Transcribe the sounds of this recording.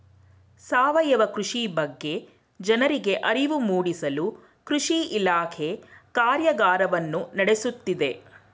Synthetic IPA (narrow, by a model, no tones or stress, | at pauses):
saːʋɐjɐʋɐkɾuʂibɐɡːe̞ | d͡ʒɐnɐɾiɡe̞ʔɐɾiʋumuːɽisɐlu | kɾuʂiʔilaːkʰe̞kaːɾjɐɡaːɾɐʋɐnːunɐɽe̞sut̪ːid̪e̞